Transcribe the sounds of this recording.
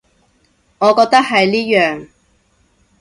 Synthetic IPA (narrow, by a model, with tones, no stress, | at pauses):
ŋɔː˨˧kɔː˧k̚t̪ɐ˥k̚ɦɐ˨jliː˥jœː˨ŋ